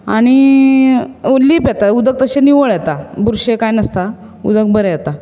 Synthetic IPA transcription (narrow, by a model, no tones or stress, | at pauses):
a̰ɽ̃i | liːpjɛt̪aud̪ək̚t̪əɕeniʋəɭjɛt̪abuɾɕekajnəst̪a | ṵd̪ək̚bəɾejat̪a